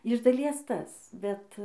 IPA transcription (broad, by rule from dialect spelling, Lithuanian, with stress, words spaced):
ɪʃ dɐˈlʲiɛs ˈtɐs ˈbʲɛt